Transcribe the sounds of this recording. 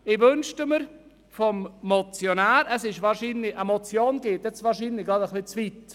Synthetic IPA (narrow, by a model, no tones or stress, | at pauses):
ɪʋønʃtəməɾ | fɔmːɔt͡sjonæːɾəsɪʃvɑːɾʃiːnlɪəmot͡sjoːnɡ̥ɪt̪jɛt͡sʋɑːɾʃiːnlɪɡɑːd̪əχlit͡svit